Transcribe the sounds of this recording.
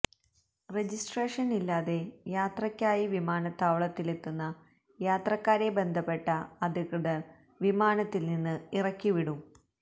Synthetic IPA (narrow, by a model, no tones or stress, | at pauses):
red͡ʑisʈreːʂɐnilːaːðe̞jaːt̪rɐkʲːaːjiʋimaːnɐt̪ːaːʋɐɭɐt̪ːile̞t̪ːunːɐ | jaːt̪rɐkːaːɾe̞be̞nd̪ʱɐpːe̞ʈːɐɐd̪ʱiɣrɨðɐ | ʋimaːnɐt̪ːilninːɨirɐkʲːiʋiɽum